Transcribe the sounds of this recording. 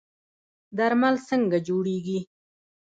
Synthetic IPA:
d̪aɾmalsəŋɡad͡ʒoɽeɡi

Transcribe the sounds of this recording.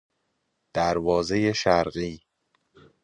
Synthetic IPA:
d̪̥æɾvɒːzejeʃæɾɢiː

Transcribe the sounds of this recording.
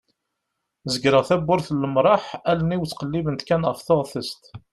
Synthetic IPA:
zəɡɾəʁθæbːʊɾθələmɾˤɑħæləniwt͡sːqəlːivənt̪kænʁəfθoʁθəst̪

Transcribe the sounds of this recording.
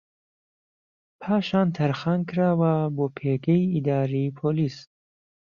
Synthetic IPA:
pʰaːʃɑːnt̪ʰaɾχankʰɾawabɔːpʰeɡeiid̪ɑːɾipʰolis

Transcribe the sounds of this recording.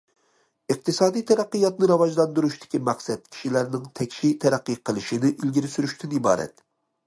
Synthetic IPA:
ɨq̚t̪ɨsɑːd̪ijt̪ʰɛɾæqːɨjɑt̪nɨɾɑwɑʒlˠɑnd̪uɾuʃt̪ɪ̥kʲimæqsɛt̪̚kʲʰi̥ʃilæɾnɪŋt̪ʰɛkʲʃit̪ʰæɾæqːɨqʰəlˠɨʃinɪʔilɡʲiɾɪsyɾyʃt̪ʰɪnibɑ̰ːɾɛ̰t̪

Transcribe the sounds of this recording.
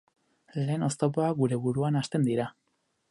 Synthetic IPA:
le̞ːno̞st̪o̞poaɡuɾe̞βuɾuanast̪e̞nd̪iɾa

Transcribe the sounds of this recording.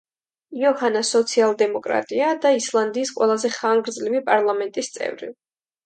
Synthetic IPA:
iɔhanasɔt̪sʰialˠd̪ɛmɔkʼɾa̰t̪ʼiad̪aislˠand̪iːsqʼwɛlˠazɛχaŋɡɾd̪zlimipʼaɾlˠamɛnt̪ʼist̪sʼɛ̰vɾḭ

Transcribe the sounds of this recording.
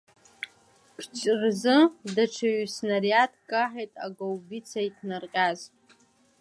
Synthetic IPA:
kʰt͡ʃʼrzɨdaʈ͡ʂʰaɥsnariatʰkʼaħejtʼaɡowɡʲit͡sʰaitʰnarqʲʼaz

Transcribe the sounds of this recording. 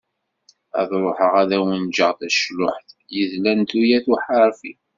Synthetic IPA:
æ̰ðɾˤoħəʁæðæwənd͡ʒəʁθæʃlʊħθjəðlænt̪ujæθuħəɾfi

